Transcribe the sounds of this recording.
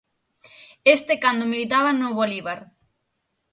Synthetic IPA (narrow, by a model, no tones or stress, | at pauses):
est̪ekand̪omilit̪̬aβanoβoliβaɾ